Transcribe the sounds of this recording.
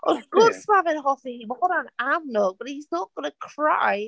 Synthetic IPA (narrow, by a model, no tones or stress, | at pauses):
ʔəzɡʊdsmavɪ̃nɦɔθihimɔɾə̃namnʊɡ̚b̥ʌt̚hiznəʔɡ̥ʌnəkʰɹ̥aɪ